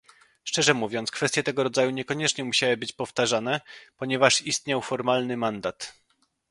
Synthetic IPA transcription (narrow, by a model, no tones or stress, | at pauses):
ʂt͡ʂɛʐɛmuvʲjɔntskfɛst̪ʲjɛt̪ɛɡɔɾɔd̪zajuɲɛkɔɲɛt͡ʂɲɛmuɕawɘbɘt͡ɕpɔft̪aʐanɛpɔɲɛvaʂist̪ɲawfɔɾmalnɘmand̪at̪